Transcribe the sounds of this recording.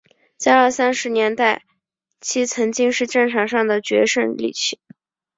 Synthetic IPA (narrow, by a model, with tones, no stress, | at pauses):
t͡ɕa˥˧ə˥˩sa˥nʂɻ̩˧˥njɛ˧˥nt̪a˥˩ɪ | t͡ɕʰi˥t͡sʰɤ˧˥ŋt͡ɕi˥ŋʂɻ̩˥˧ʈ͡ʂə˥˩ŋʈ͡ʂʰɑ˨˩ŋʂɑ˥˩ŋd̪ə˩t͡ɕɥɛ̰˧˥ʂə˥nlḭ˨˩t͡ɕʰi˥˩˦